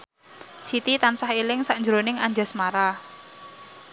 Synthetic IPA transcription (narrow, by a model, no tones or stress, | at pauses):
sit̪it̪ansahilɪŋsaʔnd͡ʒɾonɪŋaɲd͡ʒa̤smaɾa